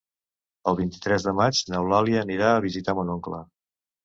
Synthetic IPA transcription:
əlˠβint̪i̥t̪ɾɛzðəmad͡ʒnəwlaliəːniɾaəβizit̪amonoŋklə̰

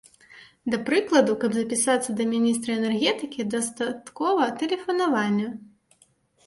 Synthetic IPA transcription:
d̪ɐpɾɨklˠɐd̪ukɐbzɐpʲisat̪sːɐd̪ɐmʲinʲist̪ɾɐɛnɛrɣʲɛt̪ɨkʲid̪ɐst̪at̪kɔvɐt̪ɛlʲɛfɐnavanʲːɐ

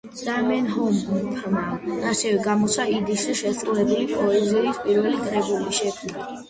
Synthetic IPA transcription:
d̪̥amɛnɦɔmpʰmaaɾsʰɛvɛɡamɔt̪sʰwaid̪iʃiʃɛst̪ʼɾulɛbulipʼɔɛziispʼiɾvɛlikʼɾɛbuliʃɛkʰmna

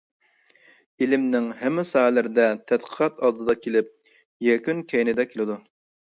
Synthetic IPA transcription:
ilɪmnɪŋɦɛmːɪsɑɦɛlɪɾɪd̪ɛt̪ʰɛd̪qʰə̥qʰɛt̪ɑd̪ɨd̪ɑkʲelɪp̚ | jɛkʲynkʲʰɛjnɪd̪ɛkʲʰelɪd̪u

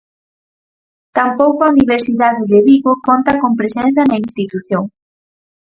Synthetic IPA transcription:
t̪ampowkoauniβeɾsiðaðɪðeβiɣokont̪ɐkompɾesenθɐnɐinst̪it̪uθjoŋ

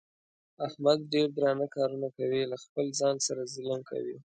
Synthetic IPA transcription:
ahmad̪̚ɖeɾd̪ɾɑnakɑɾunakawilaxpəlzɑnsaɾazɪləmkʰa̰wi

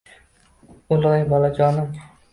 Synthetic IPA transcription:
ʊlɒjbɒlad͡ʒɒːnɪŋ

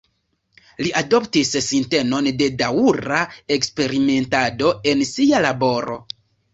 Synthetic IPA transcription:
liʔado̞ptissinte̞no̞nde̞dauɾae̞kspe̞ɾime̞ntado̞e̞nsialabo̞ɾo̞̰

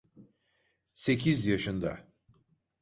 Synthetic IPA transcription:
se̞cʰizjaʃɯnd̪a̰

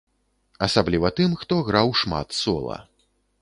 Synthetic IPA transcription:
ɐsablʲivɐt̪ɨmxt̪ɔɣɾawʂma̰t̪sɔ̰lˠɐ̰

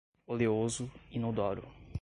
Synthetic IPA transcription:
oleozʊɪnod̪ɔɾʊ̰

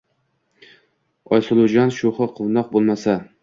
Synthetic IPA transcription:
ɒjslˠʊd͡ʒanʃoχɨqʰʊwnɒq̚bolˠmasa

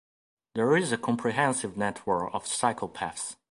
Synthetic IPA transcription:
ðəɹɪzəkʰɔ̃mpʰɹiɦɛ̃nsɪvnɛtʰwə˞kɔv̥saɪkʰəlˠpʰæ̰fs

